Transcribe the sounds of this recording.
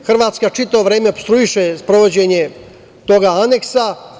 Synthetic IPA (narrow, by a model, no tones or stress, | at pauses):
xr̩ʋaːt̪skat͡ʃit̪aoʋɾeːmeopst̪ɾuiʃespɾo̞ʋo̞d͡ʑeɲe̞ | t̪o̞ɡaane̞ksa